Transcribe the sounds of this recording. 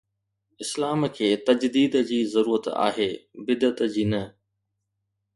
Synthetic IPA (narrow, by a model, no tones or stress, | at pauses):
ɪslaːmkʰeːt̪ɐd͡ʑd̪iːd̪d͡ʑiːzɐɾuːɾət̪a̰ːɦeːbɪd̪ət̪d͡ʑiːnɐ